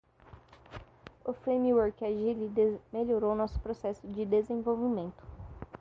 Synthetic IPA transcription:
ʊfɾẽjmiwoɾkaʒilimeloɾownɔsʊ̥pɾosɛsʊd͡ʒɪd̪ezẽj̃vowvimẽnt̪ʊ̥

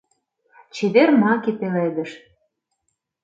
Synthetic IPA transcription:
t͡ɕeβermɑkepeled̪ə̆ʃ

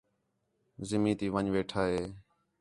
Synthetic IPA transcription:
zɪmĩːt̪iːʋəɲʋeːʈʰaːɦeː

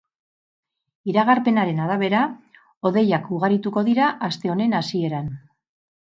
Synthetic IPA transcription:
iɾaɣ̞aɾpe̞naɾe̞naɾaβ̞e̞ɾa | o̞ðe̞jakuɣaɾit̪uko̞ðiɾaʔːst̪e̞o̞ne̞nasie̞ɾan

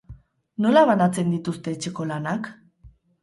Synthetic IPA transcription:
no̞laβanat͡se̞nd̪it̪ust̪e̞ːt͡ʃe̞ko̞lanak

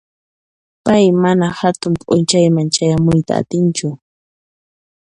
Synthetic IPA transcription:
pajmanahat̪ʊmpʼʊnt͡ʃajmant͡ʃajamʊjt̪a̰a̰t̪ɪnt͡ʃʊ

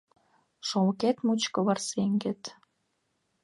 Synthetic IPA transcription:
ʃolket̪mut͡ɕkɤ̆βɑrseŋɡet̪

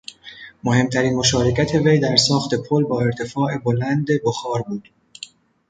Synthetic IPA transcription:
mo̞he̞mt̪ʰæɾiːnmo̞ʃɒːɾecʰæt̪ʰe̞ve̞jd̪æɾsɒːxt̪e̞pʰolbɒːe̞ɾt̪ʰe̞fɒːʔe̞bolænd̪e̞boxɒːɾbuːd̪̥

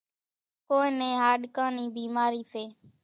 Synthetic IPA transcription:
koːẽːnẽːɦaːɗkaːniːbiːmaːɾiːseː

